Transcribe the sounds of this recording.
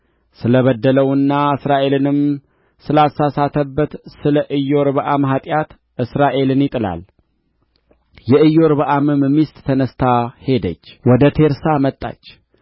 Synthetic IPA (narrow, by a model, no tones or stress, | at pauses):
sɨləβəd̪ːələwɨnːaɨsɾaʔe̞lɨnɨm | sɨlasasat̪ʰəbːət̪sɨləʔɨjːo̞ɾβəʔamɦat̪ʼjat̪ | ʔɨsɾaʔe̞lɨnjɪt̪ʼɨla̰l | jɛɨjːo̞ɾbəʔamɨmmist̪ʼt̪ʰənəst̪ʰahe̞d̪ə̰t͡ʃːwɔd̪ət̪ʰe̞ɾsamət̪ʼːa̰t͡ʃː